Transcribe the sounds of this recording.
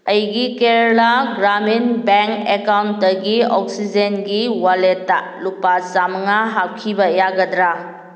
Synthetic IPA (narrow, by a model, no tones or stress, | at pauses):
ɐjɡikeɾlaɡɾaminbeŋkekawntdɐɡiɔk̚sid͡ʒenɡiwaletːa | lupasamŋaɦap̚kʰibɐjaɡɐdɾa